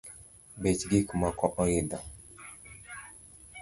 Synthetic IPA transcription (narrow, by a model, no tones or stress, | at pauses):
bet͡ʃɡikumakɔʔɔjida